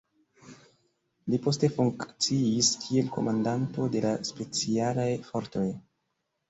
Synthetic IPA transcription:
lipo̞ste̞fuŋkt͡siiskʰie̞lko̞̰mandanto̞de̞laspe̞t͡sialajfo̞ɾto̞j

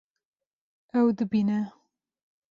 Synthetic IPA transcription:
awd̪ɨbina

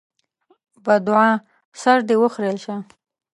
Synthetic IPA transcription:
bad̪ʊʕa | saɾd̪ewəxɾelʃa

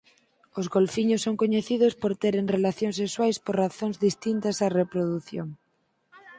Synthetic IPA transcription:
ozɣolfiɲʊsːoŋkoɲeθið̞ospoɾt̪eɾeŋrelaθjoŋsekswajspoɾraθoŋzðist̪int̪ɐsarepɾoðuθjoŋ

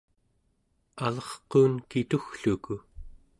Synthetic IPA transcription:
alʌχquːnkit̪uxɬuku

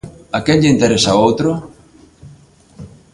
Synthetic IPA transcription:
akeʎʎint̪eɾesaowt̪ɾʊ

